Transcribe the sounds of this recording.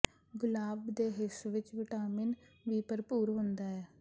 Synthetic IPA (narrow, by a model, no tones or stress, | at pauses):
ɡʊlaːbd̪eːɦɪsʋɪt͡ʃʋɪʈaːmɪnʋiːpəɾpuːɾɦʊ̃nd̪aːɦɛː